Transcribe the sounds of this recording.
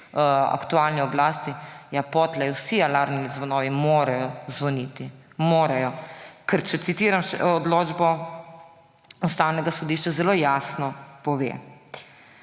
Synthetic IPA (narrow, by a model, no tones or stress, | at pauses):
a̰kt̪ualniɔblaːst̪ijapɔt̪lɛwsialaɾnizʋɔnɔːʋimoːɾajɔzʋɔnit̪i | moɾajɔkɛɾt͡ʃɛt̪sit̪iːɾamʃɛ̰ɔd̪loːd͡ʒbɔ | ɔst̪awnɛɡasɔd̪iʃt͡ʃazɛloːjasnɔpɔʋḛ